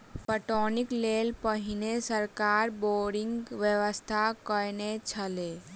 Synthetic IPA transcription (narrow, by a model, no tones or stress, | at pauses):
pəʈɔːnɪkleːlpəɦɪnesəɾkaːɾboːɾɪŋɡʋjəʋəst̪ʰakəɾnet͡ʃʰəleː